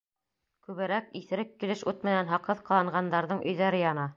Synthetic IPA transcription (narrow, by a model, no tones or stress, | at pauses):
kʉβɘ̆ɾækiθɘ̆ɾɘkːilɘʃʉt̪mɘ̆nænɦɑqɤðqɑlˠɤ̆ɴɢɑnd̪ɑɾðɤɴʔɵ̆jðæɾɘjɑnɑ